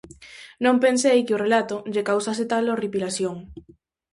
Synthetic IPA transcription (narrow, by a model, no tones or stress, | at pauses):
nõmpensejkɪorelat̪oʎekawsas̬et̪aloripilasjoŋ